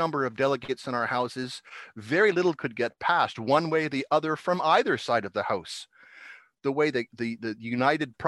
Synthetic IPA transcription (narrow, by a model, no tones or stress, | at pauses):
ʌ̃mbə˞ʌvdɛlˠəɡeɪtsɨ̃ñaʊə˞haʊsɨzvɛɹilɪɾl̩ˠkʰɨd̚ɡɛt̚pʰæst̚wʌ̃nweɪðiʔʌðə˞fɹʌ̃maɪðə˞saɪɾʌvðəhaʊs | ðəweɪðɨðɨðɨjʉnaɪɾɨd̚pʰɹ̥